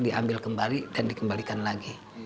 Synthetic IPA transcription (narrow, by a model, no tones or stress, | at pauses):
diʔambɪlkəmbalid̥andikəmbalikanlaɡi